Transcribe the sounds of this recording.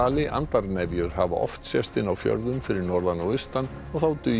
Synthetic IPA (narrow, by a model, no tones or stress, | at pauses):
aːlɪʔa̰nt̪aɾnɛvjʏɾ̥hava̰ʔɔ̰ft̪sjɛst̪ɪnawfjœ̰ɾðʏmfɪɾɪɾnɔɾlanːɔɣist̪anː | ɔɣθawt̪ʏ